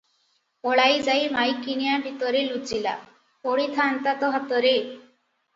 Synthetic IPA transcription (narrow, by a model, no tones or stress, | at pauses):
ɔɭajd͡ʒajmajkːinijabʱit̪ɔɾelud͡zila̰ | oɽit̪ʰant̪at̪ɔɦɔt̪ɔɾe